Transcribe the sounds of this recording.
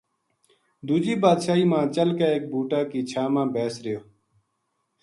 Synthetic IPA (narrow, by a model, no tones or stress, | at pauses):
d̪uːd͡ʒiːbaːd̪ʃaːiːmãːt͡ʃəlkaːeːk̚bʱuːʈaːkiːt͡ʃʰaːmãːbeːsɾɪjoː